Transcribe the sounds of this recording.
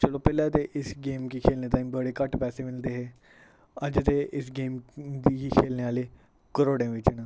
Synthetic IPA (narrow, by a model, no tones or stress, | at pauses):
t͡ʃəloːpɛːlãt̪eʔɪsɡeːmkiːkʰeːlneːt̪aːĩːbəɽeːkəʈpɛːseːmɪld̪eːɦeː | əd͡ʒt̪eːʔɪsɡeːmd̪iiːkʰeːlneːaːleː | kəɾoːɽẽːʋɪt͡ʃnə